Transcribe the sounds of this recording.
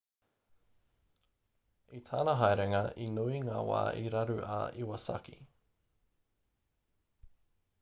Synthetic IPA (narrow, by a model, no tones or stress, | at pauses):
itʰaːnɐɦɐjɾeŋɐinuiŋaːwa̰ːʔiɾɐɾʉʔa̰ːiwɐsɐ̰ki